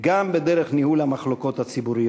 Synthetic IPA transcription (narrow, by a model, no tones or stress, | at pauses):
ɡambed̪e̞ʁeχnihulamaχlo̞ko̞t̪hat͡sibuʁij